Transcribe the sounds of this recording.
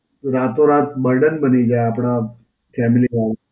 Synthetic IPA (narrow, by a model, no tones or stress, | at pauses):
ɾat̪oɾat̪bəɾɖənbənid͡ʒaeapɽ̃a | fɛmilima